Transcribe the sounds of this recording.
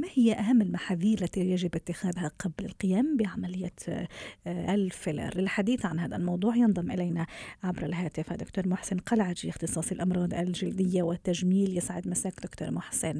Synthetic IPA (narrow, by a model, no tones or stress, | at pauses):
mahɪjːaʔaɦamːɪlmaħaːðiːɾlːat̪ijaʒɪbʔɪt̪ːɪxæːðhaqɑblalqɪjaːmbɪʕamalɪjːat̪ | ʔlfɪla̰ɾlɪlħad̪iːθʕanhaːða̰lmɑwd̪ˤuːʕjɑnðˤɑmʔɪlajnaʕabɾalɦaːt̪ɪfad̪ʊkt̪uːɾmʊħsɪnqɑlʕad͡ʒ̪iɪxt̪ɨsˤɑːsˤɪlʔɑmɾˤɑːd̪ˤa̰lʒɪld̪ɪjːawɪt̪ːaʒmiːljɪsʕɪd̪masaːkd̪ʊkt̪o̰ːɾmʊħsɪn